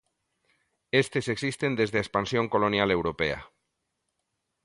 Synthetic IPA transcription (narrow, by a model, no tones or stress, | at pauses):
est̪eseksist̪end̪ezðeespansjoŋkolonjalewɾopḛa̰